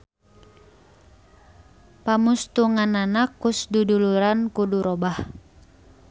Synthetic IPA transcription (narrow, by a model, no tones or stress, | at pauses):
pamust̪uŋananakusduduluɾankuduɾɔbah